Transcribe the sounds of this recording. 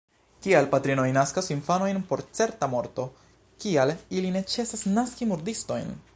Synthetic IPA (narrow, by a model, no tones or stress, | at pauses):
kialpatɾino̞jnaskasinfano̞jnpo̞ɾt͡se̞ɾtamo̞ɾto̞ | kialiline̞t͡se̞sasnaskimuɾdisto̞jn